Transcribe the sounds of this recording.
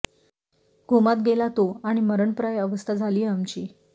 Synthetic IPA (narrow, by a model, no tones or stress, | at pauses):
ɡʱumat̪̚ɡelat̪oaɽ̃iməɾəɳpɾajəʋəst̪ʰad͡zʱaliːamt͡ɕiː